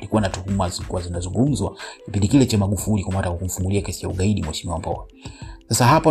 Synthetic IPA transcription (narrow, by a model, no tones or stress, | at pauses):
likuwanatuhumazikuwazinazuŋɡum̩zwakipindikilɛt͡ʃamaɡufulikumatakwakum̩fuŋɡuliakɛsijauɠaiɗimwɛʃimiwam̩pɔ̰a | sasahapɔ